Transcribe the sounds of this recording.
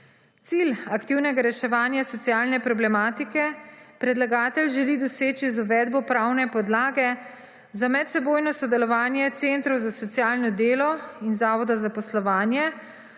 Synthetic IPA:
t̪silakt̪iwnɛɡaɾɛʃɛʋaːnjasɔt̪sjaːlnɛpɾɔblɛmaːt̪ikɛpɾɛd̪laɡaːt̪ɛlʒɛlid̪ɔseːt͡ʃizuʋɛːd̪bɔpɾaːwnɛpɔd̪laːɡɛ | zamɛt̪sɛboːjnɔsɔd̪ɛlɔʋaːnjɛt̪sent̪ɾɔwzasɔt̪sijaːlnɔd̪eːlɔinzaːʋɔd̪azapɔslɔʋaːnjɛ

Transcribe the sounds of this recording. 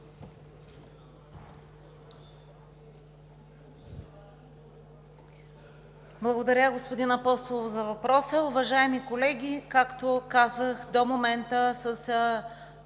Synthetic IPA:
blˠɐɡod̪ɐɾʲəɡospod̪inɐpɔst̪oovzɐvɐpɾɔsəʊvɐʒaɛmikolɛɡʲikakt̪okazəxd̪omomɛnt̪əsəs

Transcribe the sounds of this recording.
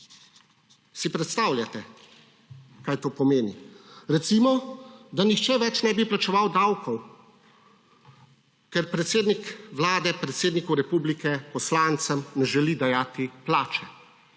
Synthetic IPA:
sipɾɛt̪st̪aːwlʲjat̪ɛ | kaːjt̪oːpɔmeːniɾɛt̪simɔd̪anixt͡ʃɛʋɛt͡ʃnɛbiplat͡ʃɛʋawd̪awkʰɔw | kɛɾpɾɛt̪seːd̪nikʋlaːd̪ɛpɾɛt̪seːd̪nikɔwɾɛpublikɛpɔslaːnt̪səmnɛʒɛlid̪ajaːt̪iplaːt͡ʃɛ

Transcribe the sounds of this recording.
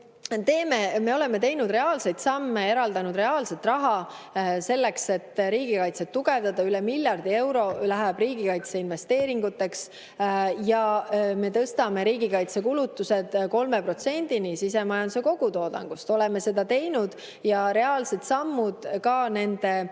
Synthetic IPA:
t̪e̞ːmeme̞o̞le̞me̞t̪e̞jnud̪re̞ɑːlse̞jt̪sɑmːe̞e̞ɾɑld̪ɑnud̪re̞ɑːlse̞t̪ːrɑɦɑ | se̞lːe̞kse̞t̪ːɾiːɡ̥ikɑjt̪set̪ːuɡ̥e̞vd̪ɑd̪ɑylɛmiljɑrd̪̥ie̞wɾo̞læɦæb̥ɾiːɡikɑjt̪seinve̞st̪e̞ːɾiŋɡ̥ut̪ːˑe̞ks | jɑme̞t̪ɤst̪ɑme̞ɾiːɡikɑjt̪sekulut̪ːuse̞d̪̥ko̞lmepro̞t̪se̞nʲd̪̥inisis̬e̞mɑjɑnd̪use̞ko̞ɡ̥ut̪o̞ːd̪ɑ̰ŋɡ̥ust̪o̞lɛme̞se̞d̪ɑt̪e̞jnud̪̥ | jɑɾe̞ɑːlse̞t̪sɑmːud̪̥kɑne̞nd̪̥e̞

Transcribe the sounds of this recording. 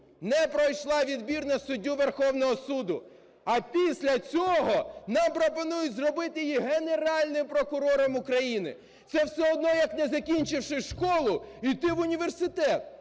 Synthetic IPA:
nɛpɾɔjʃlˠɑʋʲid̪bʲirnɐsʊdʲːuʋerxɔwnɔɦɔsud̪ʊ | ɐpʲisʲlʲɐt͡sʲɔɦɔnɑmpɾɔpɔnujʊtʲzrɔbɪt̪ɪjjiɦeneɾɑlʲnɪmpɾɔkʊɾɔɾɔmʊkɾɐjinɪ̰ | t̪sɛwsɛɔd̪nɔjɐknɛzɐkʲinʲt͡ʃɪwʃɪʃkɔlˠʊit̪ɪʋʊnʲiʋersɪt̪ɛt̪

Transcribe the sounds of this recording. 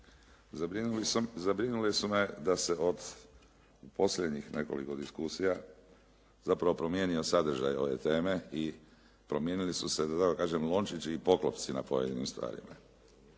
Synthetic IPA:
zabɾinulisume̞d̪ase̞o̞d̪ | upo̞sʎʲed̪ɲixnʔe̞ko̞̰lḭko̞d̪iskusija | zapɾaʋo̞pɾo̞mje̞ːnio̞sad̪r̩ʒa̰jo̞̰ʋe̞̰t̪e̞ːme̞i | pɾo̞mje̞ːnilisuse̞d̪ad̪akokaːʒemlˠo̞nt͡ʃit͡ʃiːpo̞klˠopt̪sina̰po̞jed̪inḭmst̪ʋa̰ːɾḭma̰

